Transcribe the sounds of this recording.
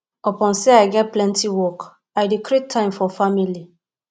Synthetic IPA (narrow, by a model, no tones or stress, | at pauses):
ɔpɔ̃nseaɪɡɛt̚plɛ̃ntiwɔk | ajdikɾitʰːãɪ̃mfɔfamili